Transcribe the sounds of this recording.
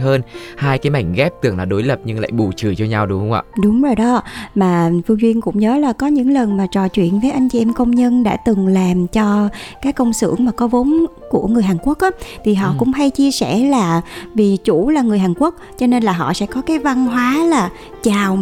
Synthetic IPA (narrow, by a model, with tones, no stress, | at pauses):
əː˧nhaː˧jkaː˨˦jma˨˩jŋ̟ɣɛ˦˥p̚t̪ɨ˨˩əŋlaː˨˩ɗo˨˦jlə˨˩p̚ɲɨ˧ŋla̰ː˧˨jɓu˨˩t͡ɕɨ˨˩jt͡ɕɔ˧ɲa˧wɗʊ˨˦ŋ͡mhə˧ŋ͡mʔa̰ː˧˨ɗʊ˨˦ŋ͡mzo˨˩jɗɔ˨˦˧maː˨˩fɨ˧əŋzwi˧ənkʊ̰˧˥ŋ͡mɲəː˨˦laː˨˩kɔ˨˦ɲɨ̰˧˥ŋlə˨˩nmaː˨˩t͡ɕɔ˨˩t͡ɕwḭ˧˨ənvəː˨˦jʔa˧jŋ̟t͡ɕi˨ʔɛ˧mkə˧wŋ͡mɲə˧nɗa̰ː˧˥t̪ɨ˨˩ŋlaː˨˩mt͡ɕɔ˧kaː˨˦jkə˧wŋ͡msɨ̰˧˩əŋmaː˨˩kɔ˨˦vo˨˦n | ku˧˩əŋɨ˨˩əjɦaː˨˩nku˦˥ək̚ʔaː˨˦t̪ʰi˨˩ɦɔ̰˧˨kʊ̰˧˥ŋ͡mɦa˧jt͡ɕi˧əsɛ̰˧˩laː˨˩vi˨˩t͡ɕu˧˩laː˨˩ŋɨ˨˩əjɦaː˨˩nku˦˥ək̚t͡ɕɔ˧ne˧nlaː˨˩ɦɔ̰˧˨sɛ̰˧˥kɔ˨˦kaː˨˦jva˧nɦwaː˨˦laː˨˩ | t͡ɕaː˨˩w